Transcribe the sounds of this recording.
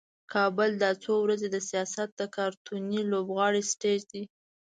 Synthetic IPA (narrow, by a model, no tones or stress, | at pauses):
kʰɑbəld̪ɑt͡sowɾazed̪əsijɑsat̪̚d̪əkɑɾt̪unilobɣɑɽisʈeʒd̪i